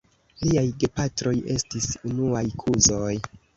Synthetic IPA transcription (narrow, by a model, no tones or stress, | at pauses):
liajɡe̞patɾo̞je̞stisunuajkʰuzo̞j